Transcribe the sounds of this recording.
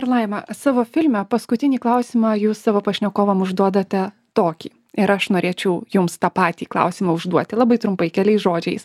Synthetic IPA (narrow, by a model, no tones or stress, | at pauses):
pɾlˠɐɪmɐsɑːʋoːfʲɪlʲmʲɛpɐskʊt̪ʲɪnʲiːklˠɐʊsʲimɑjuːssɑːʋoːpɐʃʲnʲɛkoːʋɐmʊʒd̪uɔd̪ɐt̪ʲɛ | t̪oːkʲḭː | ɪɾɐʃnoːɾʲeːt͡ʃʲɛʊjʊmst̪ɑːpɑːt̪ʲiːklˠɐ̰ʊsʲimɐʊʒd̪uɔt̪ʲɪlˠɑːbɐɪt̪ɾʊmpɐɪkʲɛlʲɛɪsʒoːd͡ʒʲɛɪs